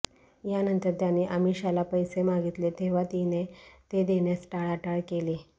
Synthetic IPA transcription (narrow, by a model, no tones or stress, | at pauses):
janənt̪əɾt̪janːiːʔəmiɕalapəjsemaɡit̪let̪ʰeʋat̪inet̪ed̪enjasʈaɭaʈaɭkele